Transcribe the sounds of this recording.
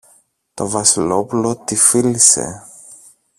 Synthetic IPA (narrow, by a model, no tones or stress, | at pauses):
t̪o̞vɐsilo̞pulo̞t̪ifilise̞̰